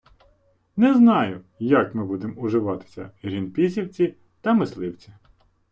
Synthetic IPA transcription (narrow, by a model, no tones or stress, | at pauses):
nɛznɑjʊ | jɐkmɪbud̪emʊʒɪʋɑt̪ɪ̥sʲɐ̰ɾʲinpʲisʲiwt͡sʲi | t̪ɐmɪslˠɪwt͡sʲi